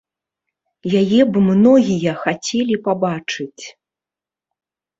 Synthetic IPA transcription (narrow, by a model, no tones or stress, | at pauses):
jajɛbɨmnɔɣʲijɐxat͡sʲɛlʲipabat͡ʂɨt͡sʲ